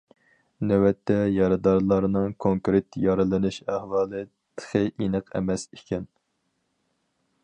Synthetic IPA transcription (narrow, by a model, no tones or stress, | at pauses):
næwɛt̪ʰːɛjɑɾɨd̪ɑɾlˠɑɾnɨŋkʰoŋkɾɪt̪jɑɾɨlˠɨnɨʃæhwɑːlˠɨ | t̪ʰə̥χʰɨʔinɨqɛ̰mɛsikʲʰɛn